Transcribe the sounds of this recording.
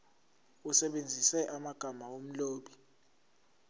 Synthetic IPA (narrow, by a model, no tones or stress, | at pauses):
usɛɓend͡zʱisɛʔamaɡ̥ʱamaom̩loːɓi